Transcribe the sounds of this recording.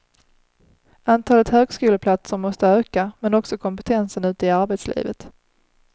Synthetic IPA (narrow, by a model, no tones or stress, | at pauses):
ant̪ʰɑːlət̪høːɡskʉːləpʰlat̪səɾmɔst̪əøːkamɛnɔksɔkʰɔmpɛt̪ʰɛnsənʉ̟ːt̪əɪaɾbɛt̪slḭːvə̰t̪